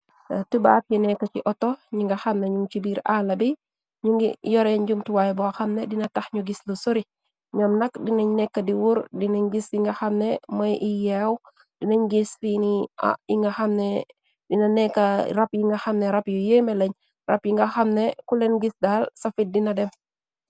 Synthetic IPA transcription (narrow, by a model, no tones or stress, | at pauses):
tuba̰ːt̚jinɛkːɐt͡ʃiʔɔtɔɲiŋɡɐxɐmneɲuŋt͡ʃibiːɾalɐbi | ɲuŋɡijɔɾɛɲɟumtuwajbɔaxɐmnɛdinɐtɐxɲuɡislusoɾi | ɲɔmnɐkdinɐɲnɛkːɐdiwuɾdinɐɲɡisiŋɡɐxɐmnɛmɔjʔijɛw | dinɐɲɡisfinḭiŋɡɐxɐmnɛ | dinɐnɛkːɐrɐpjiŋɡɐxɐmnɛɾɐpjujemɛlɐɲ | rɐ̰pjiŋɡɐxɐmnɛkulɛnɡisdaːlsɐfit̚dinɐdɛm